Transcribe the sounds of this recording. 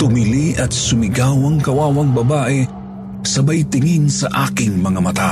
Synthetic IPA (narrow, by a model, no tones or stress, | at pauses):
t̪ʊmiliʔɐt̪sʊmɪɡawɐŋkɐwaːwɐŋbɐbaːʔɛ | sɐbajt̪ɪŋinsa̰ʔaːkɪŋmɐŋamat̪a